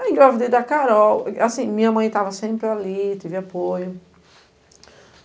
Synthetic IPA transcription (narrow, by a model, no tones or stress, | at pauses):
ɡɾavid̪ed̪ɐkaɾɔwasĩmĩɲɐmɐ̃j̃t̪avɐsẽmpɾɪalit̪evɪapojʊ